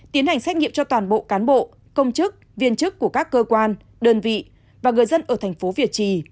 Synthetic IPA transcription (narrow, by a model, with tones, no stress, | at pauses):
t̪i˨˦ənha˨˩ŋ̟sɛ˦˥ŋḭ˧˨mt͡ɕɔ˧t̪waː˨˩nɓo̰˧˨kaː˨˦nɓo̰˧˨ | kə˧wŋ͡mt͡ɕɨ˦˥k̚vi˧ənt͡ɕɨ˦˥kːu˧˩əkaː˦˥kːəː˧kwaː˧n | ɗəː˧nvḭ˧˨ | vaː˨˩ŋɨ˨˩əjzə˧nʔəː˧˩t̪ʰɛ˨˩jŋ̟fo˨˦vi˧˩ət͡ɕi˧˩